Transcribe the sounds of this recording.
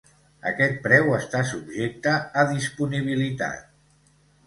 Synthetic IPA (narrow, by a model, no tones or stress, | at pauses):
ə̰kɛt̪̚pɾɛwəst̪asubʒek̚t̪əːðispuniβ̞ilit̪a̰t̪̚